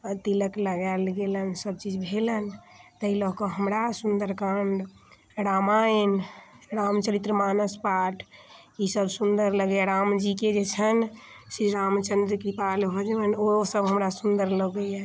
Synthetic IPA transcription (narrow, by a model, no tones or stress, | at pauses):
ət̪iləkləɡɛlɡelənsəb̚t͡ʃid͡ʒbʱelən | t̪əɦilɔɦkɔɦəmɾasund̪əɾkaɳɖ | ɾamainɾamt͡ʃəɾit̪ːɾəmanəspaʈʰ | isəbsund̪əɾləɡjaɾamd͡ʒiked͡ʒet͡ʃʰən | siɾamt͡ʃənd̪ɾəkɾipalɦod͡ʒʋənosəbɦəmɾasund̪əɾləɡəja